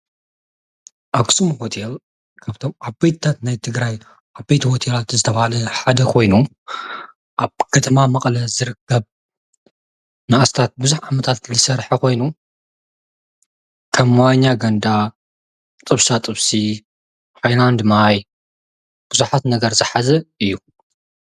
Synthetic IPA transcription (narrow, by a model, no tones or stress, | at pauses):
ʔaksumhot̪ʰel | kʰaβt̪ʰo̞mabejt̪t̪ʰːat̪najt̪ʰɨɡɾaj | ʔabbejt̪hot̪ʰelat̪zɨt̪ʰɐβɐhalɐħad̪ɐkʰo̞jnu | ʔaβkʰɐt̪ʰɐmamɐqʼlɐzɨɾɨkːɐβ | naʔast̪ʰat̪̚bɨzuħʕamɐt̪ʰat̪kʰɨlɨsɐɾħɐkʰo̞jnu | kʰɐmːaɲːaɡɐnd̪a | t̪ʼɨβsat̪ʼɨβsi | ħajland̪maj | b̥ɨzuħat̪nɐɡɐɾzɨħazɐɨjːu